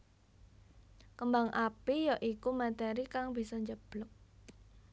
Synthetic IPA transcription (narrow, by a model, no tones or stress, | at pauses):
kəmbaŋʔapijɔʔikumat̪ɛɾikaŋbi̤sɔɲd͡ʒəb̥lʊk̚